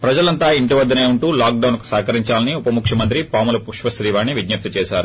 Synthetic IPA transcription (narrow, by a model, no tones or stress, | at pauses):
pɾɐd͡ʒɐlɐnt̪aːiɳʈiʋɐd̪ːɐne̞ːuɳʈuːlaːk̚ɖɐwnku̥saːkɐɾiɲt͡ʃaːlɐniupɐmukʂjɐmɐnt̪̬ɾipaːmulɐpuʂʋɐʃɾiːʋaːnːiʋid̪njɐp̚t̪it͡ʃɛːʃaːɾu